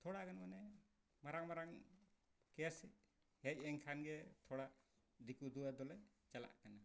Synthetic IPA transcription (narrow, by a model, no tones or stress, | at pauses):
t̪ʰɔɽaɡanamanɛ | maɾaŋmaɾaŋ | kɛjasi | hec̚ɛŋkʰanɡɛt̪ʰɔɽaʔ | d̪ikud̪uwad̪ɔlaj | t͡ʃala̰ʔkana